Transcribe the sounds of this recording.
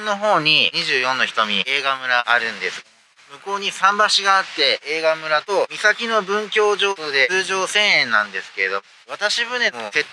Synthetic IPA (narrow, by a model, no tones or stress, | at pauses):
nːo̞ɦo̞ːɲ̟iɲiʑɨːjõ̞nːo̞çʲi̥t̪o̞mʲie̞ːɡamɯ̟ɾaːɾɯ̟̃nd̪e̞sɨ̥ | mɯ̟ko̞ːɲ̟isãmbaɕiɡaːt̪ːe̞eːɡamɯ̟ɾat̪o̞mʲisakʲino̞bɯ̟̃ŋkʲo̞ːʑo̞ːod̪e̞ɨːʑo̞ːsẽɰ̃ẽnːãnd̪e̞sɨ̥ke̞ɾe̞d̪o | βat̪aɕibɯ̟nenose̞t̪ː